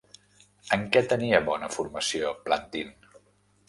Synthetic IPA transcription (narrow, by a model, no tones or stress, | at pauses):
əŋkɛt̪əniəβɔnəfuɾməsioplant̪in